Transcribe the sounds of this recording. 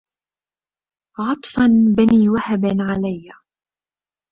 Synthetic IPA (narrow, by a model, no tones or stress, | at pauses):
ʕɑt̪ˤfɑnbaniːwaħabanʕalajːa